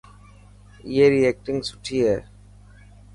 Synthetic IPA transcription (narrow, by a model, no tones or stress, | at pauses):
ieɾiɛk̚ʈɪ̃ŋɡsʊʈʰiɛ